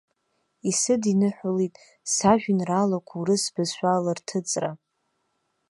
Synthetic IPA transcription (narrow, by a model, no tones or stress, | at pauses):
isɨdinɨħʷᶣʊlitʼ | saʒᶣʊnralakʷʰuɾɨsbɨzʃʷᶣalartʰɨt͡sʼra